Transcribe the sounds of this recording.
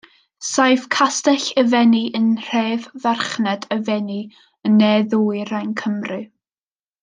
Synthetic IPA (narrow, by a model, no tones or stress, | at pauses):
sajvkʰastɛɬəvɛniʔənr̥ɛːvvɛrχnɛdəvɛni | ənːɛðuːɨrajnkʰəmrɨ